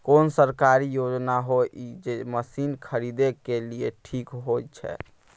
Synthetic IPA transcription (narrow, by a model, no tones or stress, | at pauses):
konsəɾkaɾijod͡ʒnaɦoid͡ʒeməsinkʰəɾid̪ekelijeʈʰikɦojt͡ʃʰɛ̰